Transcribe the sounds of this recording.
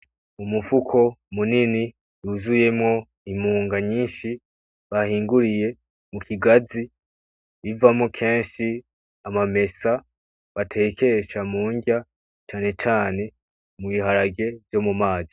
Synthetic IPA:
umufukʰo̞munini | juzuje̞mŋo̞ | imuːŋɡaɲiːnʃi | βahiːŋɡuɾije̞ | mukʰiɡazi | βivamŋo̞kʰe̞ːnʃi | amame̞sa | βatʰe̞ːkʰe̞ʃamuːɲɟa | t͡ʃaːne̞t͡ʃaːne̞ | muβiɦaɾaɡe̞vjo̞mumaːzi

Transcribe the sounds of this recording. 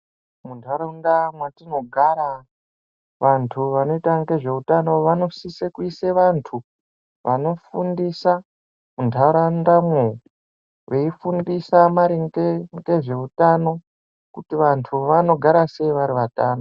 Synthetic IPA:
muntʰaɾaundamwatino̞ɡʱaɾa | ʋantʰuʋano̞itaŋɡe̞ʐe̞utano̞ʋano̞sisekuiseʋantʰu | ʋʔano̞fundisa | muntʰaɾandamwe | ʋe̞ifundisamaɾiŋɡeŋɡe̞ʐe̞utano̞ | kutiʋantʰuʋano̞ɡʱaɾase̞iʋaɾiʋataːno

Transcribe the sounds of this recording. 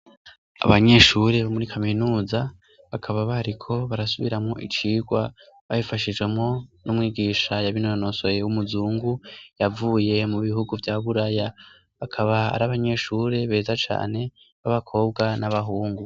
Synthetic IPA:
a̰βaɲe̞ʃuɾeβomuɾikʰaminuːza | βakʰaβaβaɾikʰo̞βaɾasuβḭɾamŋo̞ʔḭt͡ʃiːɡwa | βajifaʃid͡ʒɡwe̞mŋo̞nʔumŋiːɡiːʃajaβinono̞so̞je̞wumuzuːŋɡujavuːje̞muβiɦuɡuvjaːβuɾaja | βakʰaβaa̰ɾaβaɲe̞ʃuːɾe̞βe̞ːzat͡ʃa̰ːne̞ | βaβakʰo̞ːb̚ɡanaβaɦuːŋɡu

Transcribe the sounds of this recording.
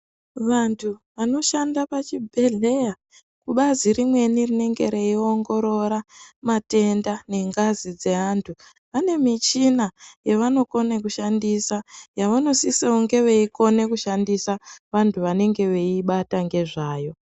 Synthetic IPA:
ʋantʰuʋano̞ʃandapat͡ʃibʱe̞ɮe̞ja | kuɓazirimwe̞nirine̞ŋɡe̞̰ɾe̞io̞ŋɡo̞ɾo̞ɾamate̞ndane̞ŋɡazid͡ze̞aːntʰu | ane̞mit͡ʃinajeʋano̞ko̞nekuʃandisajaʋano̞siseuŋɡe̞ʋe̞iko̞ne̞kuʃandisaʋantʰuʋane̞ŋɡe̞ʋe̞iɓataŋɡe̞ʐaːjo̞

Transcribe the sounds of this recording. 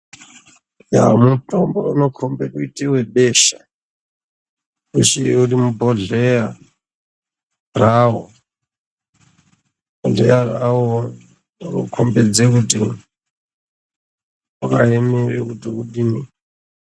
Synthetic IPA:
ja̰mutʼombounokʰombekuitʼeweɓeʃa | uʃiurimubʱoɮeja | raːɦo | bʱoɮejarawo | ro̰kʰombed͡zekuti | ukaemerek̬utiuɗini

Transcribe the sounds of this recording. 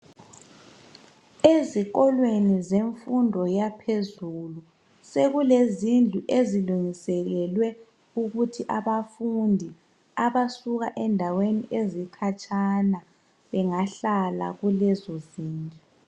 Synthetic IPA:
eziɣɔlwenizeɱfundʱɔjapʰezulu | seɣulezind͡ɮʱuʔeziluŋisɛɣɛlwɛ | uɣutʰiʔaβafundʱi | aβasuɣaʔɛndʱaweniʔezikʰat͡ʃʼana | βɛŋaɬala̰ɣulɛzɔziːnd͡ɮʱu

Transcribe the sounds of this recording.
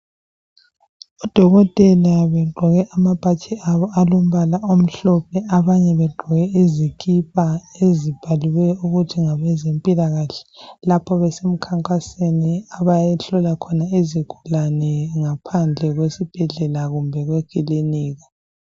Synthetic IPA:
ɔd̥ʱɔɣɔtʼɛlaβɛɡ͡ǃʱɔɣɛʔamapʰʼatʰiʔaβɔalom̩βalaom̩ɬɔpʰɛaβaɲɛβɛɡ͡ǃʱɔɣɛʔizikʰipʰʼaezib̥ʱaliwɛuɣutʰiŋaβɛzempʼilaɣaɬɛ̥lapʰɔβɛsem̩kʰaŋkʼaseniaβajɛɬɔlakʰɔnaeziɡ̥ʱulanɛŋapʰand͡ɮʱɛɣwesib̥ʱɛɮɛlaɣumbʱɛɣwekʼiliniːɣa

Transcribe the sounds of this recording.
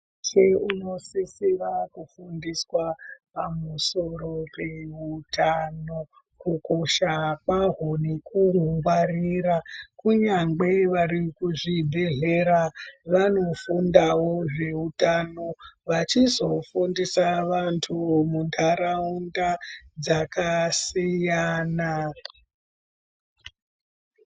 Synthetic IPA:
t͡ʃeuno̞sisiʋakufundiswapamuso̞ɾo̞pe̞utʰano̞ | kuko̞ʃakaɦonikuɦuŋɡwarirakuɲaŋɡe̞ʋaɾikuʐibʱe̞ɮe̞ɾaʋano̞fundawo̞ʐe̞utano̞ʋat͡ʃizo̞fundisaʋantʰumundʰaɾaundad͡zakasijana

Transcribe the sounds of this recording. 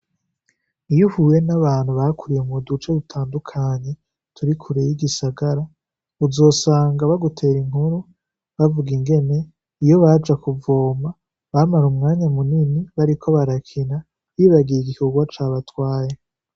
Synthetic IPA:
ijuhujenaβaːn̥huβaːkuɾijemudut͡ʃedutʰaːndukʰaːɲe̞ | tʰuɾikʰuɾejiɡisaɡaɾa | uzo̞ːsaːŋɡaβaɡutʰe̞ːɾiŋ̥huɾu | βavuɡiŋɡe̞ne̞ | ijo̞βad͡ʒakuvo̞ːma | βamaɾumŋaːɲamuniniβaɾikʰo̞βaɾakʰina | βiːβaɡijiɡihuɡwat͡ʃaːβatwaːje

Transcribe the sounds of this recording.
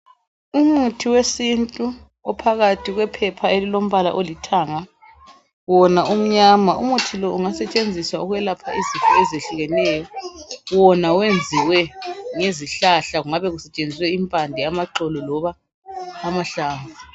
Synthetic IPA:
umutʰiwesintʼu | ɔpʰaɣatʰiɣwɛpʰɛpʰaelilom̩βala̰ʔolitʰaŋa | wɔnaum̩ɲamaumutʰilɔʔuŋasɛt͡ʃʼend͡zʱiswauɣuwɛlapʰaizifʼɔ̰ɛzeɬuɣɛnɛjɔwɔnawend͡zʱiwɛŋeziɬaɬaɣuŋaβɛɣusɛt͡ʃʼend͡zʱiswɛimpʼandʱɛamaǃɔlɔlɔβaː | maɬaːɱu

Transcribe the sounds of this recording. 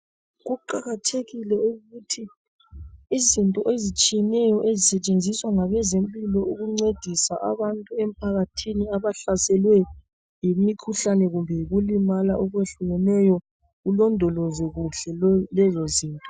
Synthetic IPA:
ɣuǃaɣatʰeɣilɛuɣutʰiː | zintʼɔʔezit͡ʃʼijɛnɛjɔʔezisɛt͡ʃʼend͡zʱiswaŋaβɛzempʼilɔuɣuŋ͡ǀed̥ʱisa̰ʔa̰βantʼuem̩pʰaɣatʰiniaβaɬasɛlwɛ | jimikʰuɬanɛɣumbʱɛɣulimalaʔɔɣweɬuɣɛnɛjɔ | ɣulɔndʱɔlɔzɔɣuɬɛlɛzɔziːntʼɔ̥

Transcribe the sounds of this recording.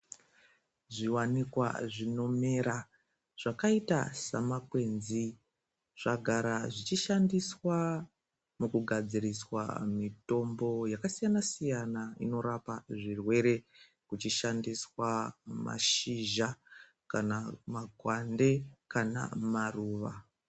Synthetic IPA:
ʐiwanikwa̰ʐino̞me̞ɾa | ʐ̥akaita̰sa̰makwe̞nzi | ʐ̥aɡʱaɾaʐit͡ʃiʃandiswa | mukuɡʱad͡ziɾiswa̰mito̞mbo̞jakasijanasijanaino̞ɾapaʐirwe̞ɾe̞ | kut͡ʃiʃandiswama̰ʃiʒa | kanamaɡʱwande̞kana̰maruːʋa

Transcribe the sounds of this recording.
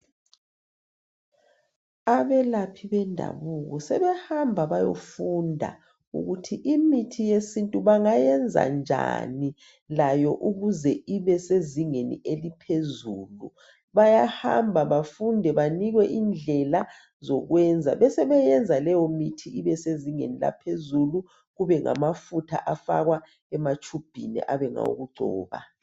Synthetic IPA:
aβɛlapʰiβɛndʱa̰βuɣɔsɛβɛhambʱaβajo̰fundʱa̰ | ṵɣutʰiʔimitʰijesintʼuβaŋajɛnd͡zʱa̰nd͡ʒʱa̰ni | lajɔʔuɣuzɛiβɛseziŋenḭelipʰezuːlṵ | βajaha̰mbʱaβafundʱɛβaniɣwɛʔind͡ɮʱɛla | zoɣwɛnd͡zʱa̰βɛsɛβɛjɛnd͡zʱalɛjɔmitʰiʔiβɛseziŋḛnila̰pʰezulu | ɣuβɛŋa̰mafutʰa̰ʔafa̰ɣwa | ɛmat͡ʃʰʼub̥ʱinɛ̰ʔa̰βɛŋa̰ṵɣuɡ͡ǀʱɔːβa̰

